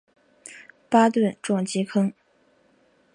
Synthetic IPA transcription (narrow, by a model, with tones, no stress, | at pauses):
pa˥t̪wə˥˧nʈ͡ʂwɑ˥˩ŋt͡ɕi˧˥kʰɤ˥ŋ